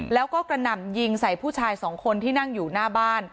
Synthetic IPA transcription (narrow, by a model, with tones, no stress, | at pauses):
lɛː˦˥wkɔː˥˩kɾa˧na˨˩mji˧ŋsa˨˩jpʰuː˥˩t͡ɕʰaː˧jsɔː˩˦ŋkʰo˧nt̪ʰiː˥˩na˥˩ŋjuː˨˩naː˥˩baː˥˩n